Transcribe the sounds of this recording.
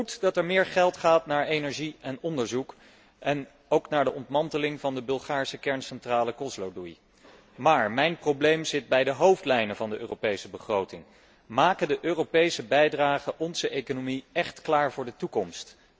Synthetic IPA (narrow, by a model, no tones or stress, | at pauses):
utdɑtɛɹmɪːɹχɛlˠtχaːtnaːɹejnɛɹʒiɛnɔndəɹzuk | ʔɛn | owknaːɹdəʔɔntmɑntəlɪŋvɑndəbɵlˠχaːɹsəkɛɹnsɛntraːləkɔzlowdui | maːɹmɛjnproblejmzɪt̚bɛjdəɦowftlɛjnəvɑndəʔøːrowpejsəbəχrowtɪŋ | maːkədəʔøːrowpejsəbɛjdraːχəʔɔnzəʔejkonomiɛχtklaːɹvʊːɹdətukɔmst